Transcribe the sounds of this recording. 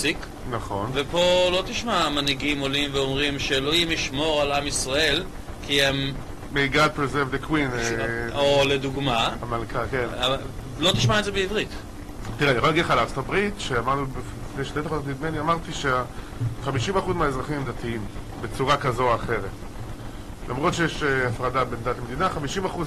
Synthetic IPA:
sik | naχo̞nvepo̞lo̞t̪iʃmamaniɡimolimveomʁimʃeloimiʃmo̞ʁalamisʁae̞l | kʰiemː | eiɡad̪̚pɾezevd̪ekwin | oleduɡmaamalkʰakenav | lo̞t̪iʃmaedzebeivʁit̪ | t̪iʁeaniaolaɡidleχalaʁt͡ssot̪abʁitʃeamaʁnubibifnejʃtet̪aχoot̪mid̪meniamaʁt̪iʃea | χamiʃimaχuzmeaezʁaχimmd̪atiim | bet͡suʁakazo̞aχe̞ʁet | lʔamʁo̞tʃejeʃeafʁadabend̪atamed̪inaχamiʃimaχuz

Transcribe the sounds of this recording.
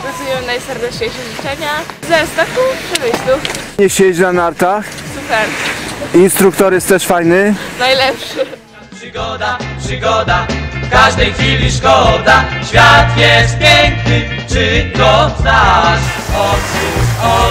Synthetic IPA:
ɾɔzumʲɛmnajsɛɾd̪ɛt͡ʂɲejʂɛʐit͡ʂɛɲa | zɛst̪akupʂɛmɘɕlʲu | ɲɛɕet͡ɕnanaɾt̪axsupɛɾinst̪ɾuk̚t̪ɔɾjɛst̪t̪ːɛʂfajnɘnajlɛpʂɘ | pʂɨɡɔd̪apʂɨɡɔd̪afkaʐd̪ɛjxfʲilʲiʂkɔd̪aɕfʲjat̪jɛst̪̚pʲjɛŋknɘ | t͡ʂɘk̪ɔt̪naʂ | ɔt̪suɔ

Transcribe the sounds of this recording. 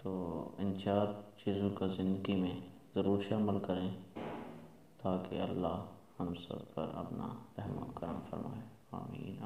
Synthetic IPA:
t̪oːɪnt͡ʃaːɾt͡ʃiːzõkazɪ̃nd̪əɡimẽ | zɐɾuːɾʃɐməlkɐɾẽː | t̪aːkḛɐlːaɦhɐmsə̰bpɐ̰ɾɐ̰pna̰ɾɛɦmə̰kɐɾəmfɐ̰ɾma̰ːe | a̰ːmḭːn

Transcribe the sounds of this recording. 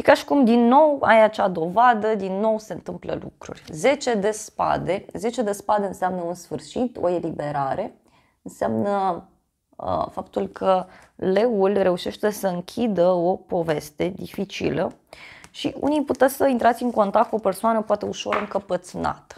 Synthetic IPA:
ʃikaʃi̥kumd̪inːo̞wa̰jat͡ʃad̪o̞vad̪əd̪inːo̞wse̞ɨnt̪ɨmplə̰lṵkɾṵrʲze̞t͡ʃe̞d̪e̞spa̰d̪e̞ze̞t͡ʃe̞d̪e̞spad̪eɨnseamnəunsfɨrʃit̪o̰elibe̞ɾaɾe̞ | ɨnsamnə | fapt̪ulkʰəleulre̞uʃe̞ʃt̪e̞səɨŋkʲʰid̪əopo̞ve̞st̪e̞d̪ifit͡ʃḭlə | ʃḭṵnijput̪esəint̪ɾat̪sʲɨŋko̞nt̪akt̪̚kuope̞rsoanəpwat̪e̞uʃo̞̰ɾəɨŋkəpət̪sna̰t̪ə̥

